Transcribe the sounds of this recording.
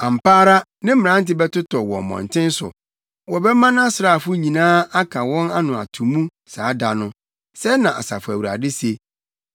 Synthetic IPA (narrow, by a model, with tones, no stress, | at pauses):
ã˨m̩˨pʰaː˦ɾa˦nɪ̃˦m̩˦ɪ̃˨ɾã˦n̩˦tɪ˦bɛ˦tʊ˦tʰɔ˨wɔ̰̃˨mɔ̰̃˨n˨tʰɪ̃˦n˦sʊ̰˨ | wɔ˨bɛ˦mã˦nã˦sɾaː˦˨fʊ˦ɲĩ˨nãː˦a˦kʰa˨wɔ̃˦na˦nʊ̃˨a̰˨tʰũ˨mũ˦ | saː˨˦da˨nʊ̃˦ | sɛ˦nã˨ʔa̰˨sa̰˨fʊ˨æ˨wu˨ɾa̰˨dɪ˦se˨